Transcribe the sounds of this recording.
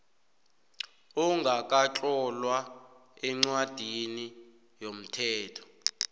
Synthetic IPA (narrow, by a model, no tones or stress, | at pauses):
uŋɡʱak̬ʼat͡ɬʼɔlwa | ɛŋ͡ǀwad̥ʱini | jom̩tʰɛːtʰɔ̥